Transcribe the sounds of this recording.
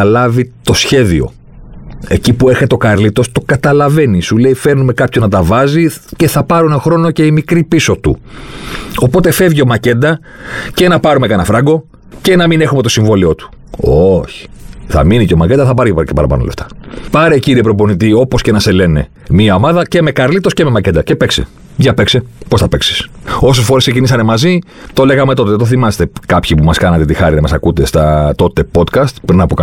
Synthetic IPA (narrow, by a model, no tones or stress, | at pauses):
ɐlɐvit̪o̞sçe̞ðio̞̰ | e̞cipue̞ɾçet̪o̞kɐɾlit̪o̞st̪o̞kɐt̪ɐlɐve̞nisule̞ife̞ɾnume̞kɐpçonɐt̪̬ɐvɐzice̞θɐpɐɾunexɾo̞no̞ce̞imikɾipiso̞t̪ṵ | o̞po̞t̪e̞fe̞vʝio̞mɐce̞nd̪ɐ | ce̞nɐpɐɾume̞kɐnɐfɾɐɡo̞ | ce̞nɐmine̞xumet̪o̞siɱvo̞lio̞t̪u̥ | oçi̥θɐ̰miniceomɐcend̪ɐθɐpɐɾceepɐɾɐpɐ̰no̰left̪ɐ̥pɐɾe̞ciɾiepɾo̞po̞nit̪̬io̞po̞sce̞nɐse̞le̞ne̞̰ | miɐo̞mɐðɐce̞me̞kɐɾlit̪osce̞me̞mɐcend̪ɐce̞pe̞ksḛ | ʝɐpekseposθɐpeksi̥so̞s̬e̞sfo̞ɾeskse̞cinisɐne̞mɐzi | t̪o̞le̞ɣɐme̞t̪o̞t̪eðet̪o̞θimɐse̥t̪ekɐpçipumɐskɐnɐt̪e̞t̪ixɐɾinɐmɐsɐkut̪e̞st̪ɐt̪o̞t̪e̞po̞t̪kɐst̪pɾinɐpokɐ